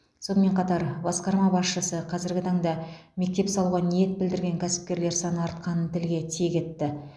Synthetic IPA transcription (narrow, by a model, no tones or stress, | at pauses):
so̞nəme̞ɴqʰɑt̪ɑɾbɑsqɑɾmɑbɑsʃəsəqʰɑzɪɾɡʲɪt̪ʰɑɴd̪ɑ | me̞k̚t̪e̞psɑlˠuʁɑnije̞t̪̚bɪld̪ɪɾɡʲe̞ŋkʲʰæsɪ̥p̚kʲe̞ɾle̞ɾsɑnəɑɾt̪̚qɑnənt̪ʰɪlɡʲe̞t̪ʰijekʲe̞t̪ːɪ